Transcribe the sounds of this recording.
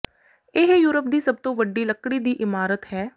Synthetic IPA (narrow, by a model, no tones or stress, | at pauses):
ɪɦjuːɾəp̚d̪iːsəb̚t̪õːʋəɖːiːləkːɽiːd̪iːʔɪmaːɾət̪hɛː